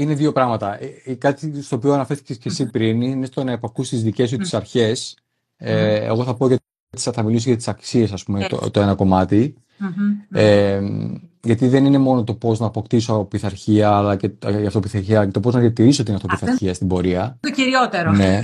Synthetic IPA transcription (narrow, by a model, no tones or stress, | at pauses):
ine̞ðio̞pɾɐɣmɐt̪ɐʔikɐt̪ist̪opioɐnɐfe̞ɾθi̥ce̞sce̞sipɾiniinest̪o̞nɐepɐkust̪izðice̞sut̪i̥sɐɾçe̞s | eḛɣo̞θɐpo̞ʝɐt̪ | t̪i̥sθɐmilisoʝɐt̪isɐksie̞sɐspumet̪o̰t̪oe̞nɐko̞mɐt̪i | emʝɐt̪iðe̞nine̞mo̞no̞t̪o̞po̞znɐːpo̞kt̪isoɐpiθɐɾçiɐːlɐce̞iɐft̪o̞piθɐɾçiɐlcet̪o̞po̞znɐðiɐt̪iɾiso̞t̪inɐft̪opiθɐçiɐst̪ibo̞ɾiɐciɾiot̪eɾone̞